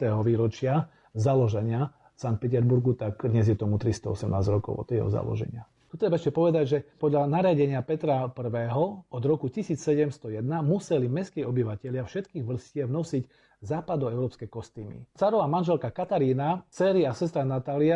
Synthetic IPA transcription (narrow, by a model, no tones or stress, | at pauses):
t̪ɛɦɔʋiːɾɔt͡ʃɪa | zalɔʒɛɲɪa | sank̪̚pɛt̪̬ɛɾbuɾɡut̪akd̪ɲɛzjɛt̪ɔmut̪ɾist̪ɔɔsɛmna̰ːzɟɾɔkɔ̰ʊɔ̰t̪ɛɦɔ̰za̰lɔ̰ʒɛ̰ɲɪa | ut̪ɾɛbaɛʃcɛpɔʋɛd̪aɟʒɛpɔd̪ʎanaɾɪaɟɛɲɪapɛt̪ɾapr̩ʋɛːɦɔɔd̪ɾɔkucisiːt͡ssɛɟɛmst̪ɔjɛd̪namusɛlimɛskɛːɔbiʋacɛʎɪafʃɛt̪kiːɣʋl̩scɪɛʋnɔsiɟ | zaːpad̪ɔɛʊɾɔːpskɛjkɔst̪iːmḭt͡saɾɔamanʒɛlkakat̪aɾiːnat͡sɛːɾiasɛs̬t̪ɾanat̪aːlia